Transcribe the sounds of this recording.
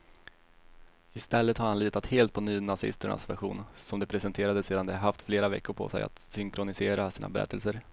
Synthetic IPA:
ɪst̪ɛlːət̪haɾhanliːt̪at̪heːlt̪̚pʰɔnyːnasɪ̰st̪əɳa̰svæ̰ɾɧṵːnsɔmd̪ɛpʰɾɛsɛnt̪ʰeːɾad̪əseːd̪and̪ɛhaɾɦaft̪fleːɾavɛ̰kːʊɾpʰɔ̰sɛ̰ja̰t̪sʏŋkɾʊnɪseːɾasiːna̰bɛɾɛ̰t̪ːəlsəɾ

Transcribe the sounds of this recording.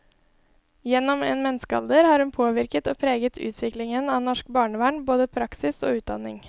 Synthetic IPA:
jɛnɔmḛːnmɛnskəɑ̰ld̪əɾhɑːɾhʉnpʰoːʋɪɾkət̪o̰ːpʰɾeːɡət̪ʰʉ̰ːt̪ʰʋɪklɪŋənɑːnɔʃkbɑːɳəʋæːɳboːd̪əpʰɾɑksɪso̰ːʉːt̪̚d̪ɑ̰nɪ̰ŋ

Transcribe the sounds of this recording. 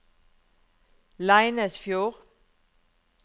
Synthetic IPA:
laɪnəsfjoːʁ

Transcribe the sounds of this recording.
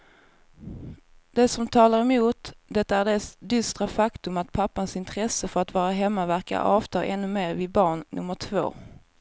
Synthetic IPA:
d̪̥ɛsɔmt̪ʰɑːlaɾɛmuːt̪d̪ɛt̪ːaæɖeːsd̪ʏst̪ɾafakt̪ɵmat̪̚pʰapːansɪnt̪ʰɾɛsəfœɾat̪vɑːɾaɦɛmːavæɾka̰ʔɑːvt̪ʰɑːʔɛnːɵmeːɾvɪd̪̚bɑːɳnɵ̰mːəʈʰvo̰ː

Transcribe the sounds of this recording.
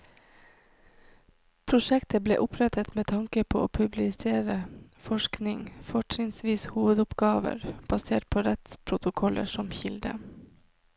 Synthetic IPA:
pʰɾʊʃɛkt̪əblḛːʔʊpʰɾɛt̪ət̪meːt̪ʰɑŋkəpʰoːoːpʰʉblɪseːɾəfɔʃknɪŋfɔʈɾɪŋsʋiːshuːʋəd̪ʊpɡɑːʋə̰ɾb̥ɑseːʈ̚pʰoːɾɛt̪spʰɾʊt̪ʊkʰɔlʔə̰ʂɔmçɪld̪ə̰

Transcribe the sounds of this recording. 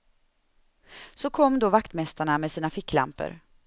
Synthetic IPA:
sɔkʰɔmːd̪ovakt̪mɛst̪aɳamɛsiːnafɪkːla̰mpə̰ɾ

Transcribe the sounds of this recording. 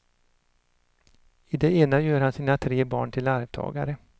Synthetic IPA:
ɪd̪ɛeːnajøːɾhansiːnat̪ʰɾeːbɑ̰ːɳʈʰɪlaɾvt̪ʰɑ̰ːɡa̰ɾə

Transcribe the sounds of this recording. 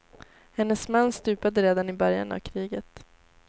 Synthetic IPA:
hɛnːəsmanːst̪ʉ̟ːpad̪əɾeːd̪anɪbœɾja̰na̰vkʰɾiːɡət̪

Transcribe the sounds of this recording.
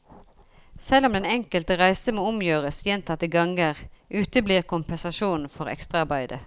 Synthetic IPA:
sɛlːɔmd̪ɛnɛŋkəlt̪əʁæɪsəmoːʊmjøːʁəsjɛnt̪ʰɑt̪ːəɡɑŋəʁʔʉːt̪əbliːʁkʊmpɛnsɑʃuːnn̩fɔʁɛ̰kst̪ʁɑɑʁbæɪd̪ə̰

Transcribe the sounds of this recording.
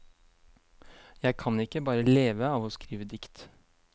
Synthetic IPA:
jæɪkʰɑnɪkːəbɑːɾəleːʋəɑːʋɔskɾiːʋəd̪ɪkt̪

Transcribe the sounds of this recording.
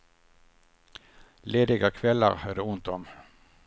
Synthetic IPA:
leːd̪ɪɡəkʰʋɛləʁhœd̪əʊnt̪ɔm

